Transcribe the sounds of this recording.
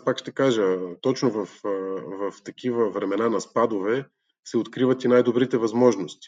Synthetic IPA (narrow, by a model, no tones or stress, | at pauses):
aspakʃt̪ɛkaʒət̪ɔt͡ʃnovɐfvɐft̪ɐkivəvɾɛmɛnanɐspad̪ovɛ | sɛot̪kɾivət̪inajd̪obɾit̪ɛvɐzmɔʒnost̪i̥